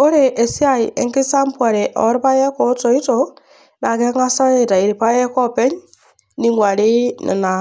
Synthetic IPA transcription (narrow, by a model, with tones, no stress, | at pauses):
o˦ɾe˨ʔe˨si˦a˦˨i˨ʔe˨ŋki˦sa˦mpwa˨ɾe˨ʔɔ̰˨˦ɾi˦pa˦je˦ko˦to˨i˦to˨ | na˨ke˦ŋa˦sa˦je˦ta˨i˨ɾi˨pa˦je˦ko˦pe˦ɲ | ni˦ŋɡwa˨ɾi˦nɪ̰˨na˨